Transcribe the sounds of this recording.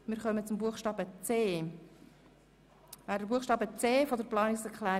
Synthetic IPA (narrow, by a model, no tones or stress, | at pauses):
mɪːɾχœmət͡sʊmbuəχʃtɑːbət͡seː | væːɾdəbuəχʃtɑːbət͡seːfod̪əɾplɑːnɪksɛɾkʰlæː